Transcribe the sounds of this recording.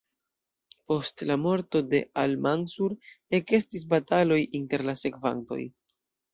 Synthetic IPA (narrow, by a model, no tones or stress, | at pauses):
po̞stlamo̞ɾto̞de̞̰almansuɾe̞ke̞stis̬batalo̞jʔinte̞ɾlase̞kva̰nto̞̰j